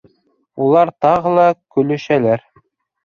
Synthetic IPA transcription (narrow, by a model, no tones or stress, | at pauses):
ulˠɑɾt̪ɑʁɤlˠɑkɵ̆lɵ̆ʃælæɾ